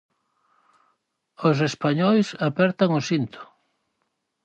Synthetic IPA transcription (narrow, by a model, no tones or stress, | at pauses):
os̬espaɲɔjsapɛɾt̪aŋosint̪o̥